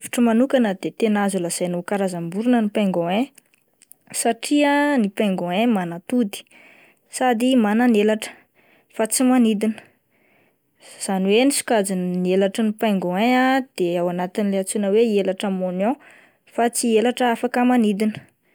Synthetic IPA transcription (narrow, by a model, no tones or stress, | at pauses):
vi̥ʈ͡ʂəmanukanəd̪et̪enazulaz̥ajnokaɾazambuɾunənipaŋɡɔ̃ẽ | saʈ͡ʂiənipaŋɡɔ̃ẽmanat̪ud̪i̥ | sad̪imananelaʈ͡ʂə̥ | fat͡simanid̪inə̥ | z̥aniwenisu̥kad͡zinnielaʈ͡ʂənipaŋɡɔ̃ẽad̪̥eawanat̪inileat͡sunəweelaʈ͡ʂəmonjɔ̃ | fat͡sielaʈ͡ʂəafakəmanid̪inə̥